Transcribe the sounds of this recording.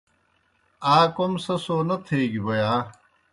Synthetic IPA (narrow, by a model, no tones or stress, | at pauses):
aːkomsɐsoːnɐt̪ʰeːɡibojaː